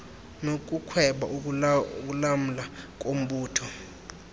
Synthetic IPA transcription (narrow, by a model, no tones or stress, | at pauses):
nok̬ʼukʰwɛɓa̰ʔk̬ulam̩lak̬ʼom̩ɓuːtʰɔ